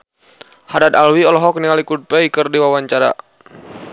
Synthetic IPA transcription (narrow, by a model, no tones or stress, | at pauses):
hadat̪alwiɔlɔɦɔk̚niŋalikud̪̚pɛikərdiwawaɲt͡ʃaɾa̰